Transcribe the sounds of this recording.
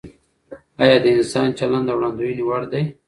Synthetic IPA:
ɑjɑd̪əɪnsɑnt͡ʃaland̪awɽɑnd̪ujniwaɽd̪aj

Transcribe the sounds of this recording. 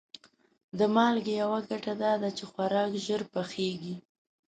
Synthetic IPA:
d̪əmɑlɡejawaɡaʈad̪ɑd̪at͡ʃexwaɾɑkʒəɾpaxeɡi

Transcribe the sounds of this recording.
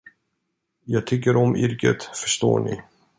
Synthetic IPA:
jɑːɡ̚t̪ʰʏkːəɾɔmʔɪɾkət̪fœʂt̪o̰ːɳɪ̰

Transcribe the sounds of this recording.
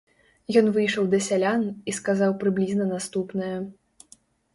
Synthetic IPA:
jɔnvɨjʂɐwd̪ɐsʲalʲaniskazawpɾɨblʲiznɐnast̪upnɐjɐ

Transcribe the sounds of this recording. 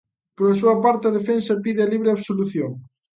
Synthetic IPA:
poɾɐsuɐpaɾt̪ɐðefensɐpiðeɐliβɾeaβsoluθjoŋ

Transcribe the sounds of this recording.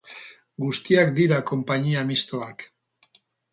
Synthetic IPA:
ɡust̪iakd̪iɾako̞mpaɲiamist̪oak

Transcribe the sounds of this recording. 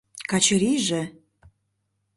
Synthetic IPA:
kɑt͡ɕəɾiʒĕ

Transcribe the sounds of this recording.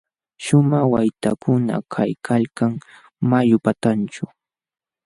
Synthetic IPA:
ʃʊmaχwajt̪a̰kʊna̰kʰajkʰalkaŋ | majʊpat̪ant͡ʃʊ

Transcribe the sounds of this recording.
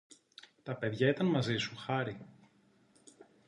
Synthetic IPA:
t̪ɐpe̞ðʝɐit̪ɐnmɐzisuxɐɾi

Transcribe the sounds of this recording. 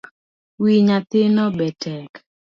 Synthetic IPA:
wiɲat̪ɪnɔbɛtʰɛk

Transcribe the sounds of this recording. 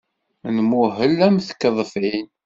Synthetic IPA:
nmuɦəlːæmθə̥kːəðˤfin

